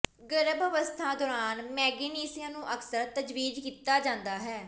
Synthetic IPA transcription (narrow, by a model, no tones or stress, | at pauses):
ɡəɾəbəʋəst̪ʰaːd̪ɔːɾaːnmɛːɡeːniːsɪjãːnũːʔəksəɾt̪əd͡ʒʋiːd͡ʒkiːt̪ːaːd͡ʒãːnd̪aːɦɛː